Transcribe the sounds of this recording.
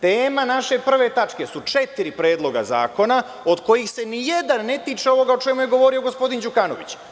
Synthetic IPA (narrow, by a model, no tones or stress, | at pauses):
t̪eːmanaʃe̞pr̩ʋe̞t̪at͡ʃke̞sut͡ʃet̪iɾipɾe̞ːd̪lˠo̞ɡa̰za̰ːko̞na | o̞d̪ko̞jixse̞nije̞d̪anːe̞t̪iːt͡ʃeo̞ʋo̞ɡao̞t͡ʃe̞muje̞ɡo̞ʋo̞ɾio̞ɡo̞spo̞d̪ind͡ʒukano̞̰ʋḭt͡ɕ